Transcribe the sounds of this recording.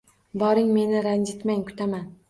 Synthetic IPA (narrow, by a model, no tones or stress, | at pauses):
bɒɾɪŋme̞nɪɾand͡ʒɪt̪maŋkʰʊ̥t̪ʰaman